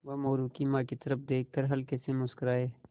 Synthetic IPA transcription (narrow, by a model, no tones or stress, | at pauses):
wɐmoːɾuːkimãːkit̪ɐɾəpd̪eːkːəɾɦɐlkesemʊskɾaːeː